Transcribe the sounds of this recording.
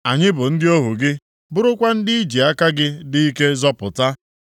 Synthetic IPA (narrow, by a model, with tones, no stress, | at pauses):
a˨ɲɪ˦bʊ˨n̩˦dɪ˦o˦ɦu˨ɡɪ˦ | bʊ˦ɾʊ˦kʷa˦n̩˦dɪ˦i˦d͡ʒi˨a˦ka˦ɡɪ˦di˦i˦ke˦zɔ˦pʊ˨ta˦